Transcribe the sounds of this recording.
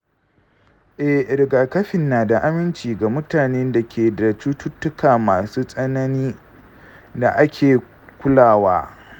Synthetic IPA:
ʔɛ˦hɾɪ˨ɡa˨kɐ˦ɸɪ˨nːaː˨da˨ʔa˦mɪ˦nt͡ʃiː˨ɡa˨mʊ˦taː˨neː˦nda˨kʲeː˨da˨t͡ʃuː˦tʊ˦tːʊ˦kaː˨maː˨suː˦sʼɐ˦nɐ˦niː˦ | da˨ʔa˦kʲʰeː˨ | kʷʊ˦laː˦˨waː˦

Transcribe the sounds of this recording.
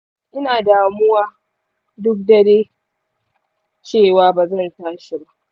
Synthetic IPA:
ʔɪ˦naː˨daː˨mʊ˦waː˦ | dʊ˦k̚dɐ˨deː˦ | t͡ʃeː˦˨waː˨baː˨zɐ˦˨ntaː˦ʃi˨ba˦ʔ

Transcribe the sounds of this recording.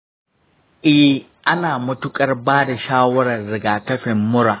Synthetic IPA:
ʔɪ˦ | ʔa˦naː˨mʊ˦tʊ˦kʼɐ˦rbaː˦da˨ʃaː˦wɐ˦ɽɐ˨rːɪ˨ɡaː˨tɐ˦ɸɪ˨mːʊ˦ɽaː˨

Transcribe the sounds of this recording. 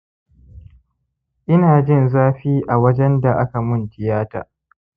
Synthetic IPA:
ʔɪ˦naː˨d͡ʒɪ˦nzaː˦ɸiː˦ʔa˨wɐ˦d͡ʒɛ˦nda˨ʔa˦ka˨mʊ˦˨ntɪ˨jaː˦ta̰ː˨

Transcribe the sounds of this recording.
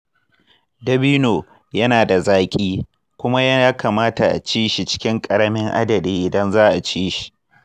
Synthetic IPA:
dɐ˦biː˦noː˨ | jɐ˦naː˨da˨zaː˦kʲʼiː˦ | kʷʊ˦ma˦ja˦jaː˦kaː˨maː˦ta˨ʔa̰˨t͡ʃiː˦ʃi˨t͡ʃɪ̥˦kʲɪ˦ŋkʼɐ˨ɽɐ˦mɪ˦ŋʔa̰˦dɐ˨diː˦ʔɪ˨dɐ˦nzaː˦ʔa˨t͡ʃiː˦ʃi̥˨

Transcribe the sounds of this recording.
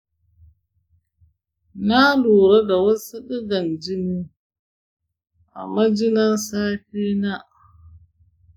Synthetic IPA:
na˦luː˨ɾa˦ɡa˨wa˦sa˦ɗi˦ɡa˨nd͡ʒi˦ni˦ | ʔa̰˨mːa˦d͡ʒi˦na˦nsaː˦ɸi˦na˦ʔ

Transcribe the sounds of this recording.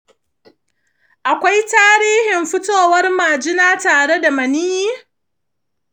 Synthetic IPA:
ʔa˨kʷa˦jtaː˦ɾiː˦hɪ˨mɸɪ˦toː˦˨wɐ˦rmaː˨d͡ʒɪ˦naː˦taː˨ɽe˦da˨mɐ˨niː˦jiː˦

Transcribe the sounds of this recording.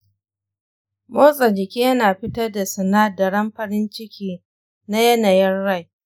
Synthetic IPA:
moː˦sʼa˨d͡ʒɪ˨kʲiː˦jɐ˦naː˨ɸɪ˦tɐ˦rda˨sɐ˨naː˦dɐ˨ɽɐ˦mɸɐ˦ɾɪ˦nt͡ʃɪ˦kʲiː˦ | na˦jɐ˦na˨jɛ˦nɽa˦˨j

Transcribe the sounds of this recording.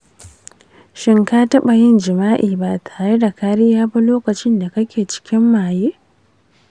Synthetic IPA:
ʃɪ˦ŋkaː˦tɐ˦ɓa˨jɪ˦nd͡ʒɪ˨maː˦ʔiː˨ba˦tʰaː˨ɾe˦da˨kaː˦ɽɪ˦jaː˦ba˦loː˦kɐ˨t͡ʃɪ˦nda˨kɐ˦kʲeː˨t͡ʃɪ̥˦kʲɪ˦mːaː˨jeː˦

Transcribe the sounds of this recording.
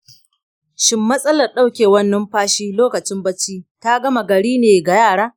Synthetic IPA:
ʃɪ˦mːɐ˦sʼɐ˦lɐ˨rɗa˦˨wkʲeː˨wɐ˦nːɐ˦mɸaː˦ʃiː˦loː˦kɐ˨t͡ʃɪ˦mbɐ˦t͡ʃːiː˦ta˦ɡɐ˦ma˨ɡɐ˨ɽiː˦neː˨ɡa˨jaː˦˨ɽaː˦

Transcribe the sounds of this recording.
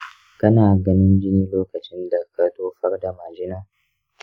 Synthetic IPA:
kɐ˦naː˨ɡɐ˦nɪ˦nd͡ʒɪ˦niː˦loː˦kɐ˨t͡ʃɪ˦nda˨kʰɐ˦doː˦ɸɐ˦rda˨ma˨d͡ʒɪ˦naː˦

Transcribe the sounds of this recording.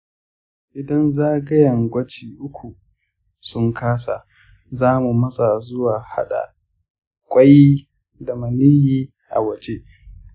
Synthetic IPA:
ʔɪ˨dɐ˦nzaː˦ɡɐ˦jɐ˨ŋɡʷɐ˦t͡ʃiː˨ʔʊ˦kʷʰu˨ | sʊ˦ŋkʰaː˦sa˨ | zaː˦mu˨mɐ˦sa˨zʊ˦waː˨ha˦ɗa̰˨ | kʷʼɐ˦ji˦ | da˨mɐ˨nɪ˦jiː˦ | ʔa̰˨wɐ˨t͡ʃe˦

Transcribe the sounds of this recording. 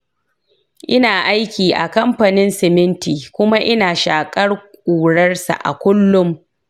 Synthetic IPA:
ʔɪ˦naː˨ʔa˦jkʲiː˨ʔa̰˨kɐ˦mɸɐ˨nɪ˦nsɪ˨mɪ˦ntiː˨kʷʊ˦ma˦ʔɪ˦naː˨ʃaː˨kʼɐ˦rkʷʼuː˨ɽɐ˦rsa̰˨ʔa̰˨kʷʊ˦lːʊ˦m

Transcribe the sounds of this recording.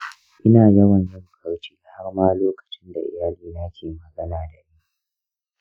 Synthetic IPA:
ʔɪ˦naː˨jɐ˦wɐ˨nzɐ˦ŋ˨kʰa˦wt͡ʃi̥ː˦ʔa˨ha˦rmaː˦loː˦kɐ̥˨t͡ʃɪ˦nda̰˨ʔɪ̰˦jaː˨liː˦na˦kʲʰeː˨mɐ˦zʼɐ˦laː˨da˨ʔiː˦

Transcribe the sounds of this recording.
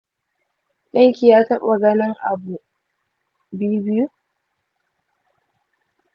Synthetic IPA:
ɗɐ˦ŋkʲi˨jaː˦tɐ˦ɓa˨ɡɐ˦nɐ˦ŋʔa̰˨bu˨ | bi˦u˦bɪ˦ju˦

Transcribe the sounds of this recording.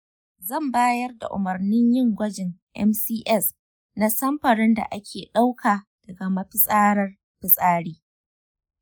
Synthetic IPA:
zɐ˦˨mbaː˦jɐ˦rda̰˨ʔʊ̰˨mɐ˨rnɪ˦ɲjɪ˦˨ŋɡʷɐ˦d͡ʒɪ˨ŋʔɛ̰˦msiː˦ʔɛ˦˨s | na˦sɐ˦mɸɐ˨ɽɪ˦nda̰˨ʔa˦kʲʰeː˨ɗa˦wkʰaː˨d̥ɐ˨ɡa˨mɐ˦ɸɪ˦sʼaː˦ɽɐ˦r | ɸɪ˨sʼaː˦ɽiː˦

